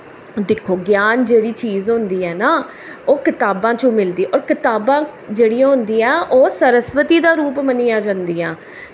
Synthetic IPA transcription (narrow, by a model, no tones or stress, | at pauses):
d̪ɪkʰːoːɡjaːnd͡ʒeːɽiːt͡ʃiːzɦʊ̃nd̪iːɛːnaː | oːkɪt̪aːbãːt͡ʃõːmɪld̪iːʔɔːɾkɪt̪aːbãːd͡ʒeːɽĩːɦʊ̃nd̪iːɛːʔoːsəɾəsʋət̪iːd̪aːɾuːpməniːãːd͡ʒãːnd̪iːaː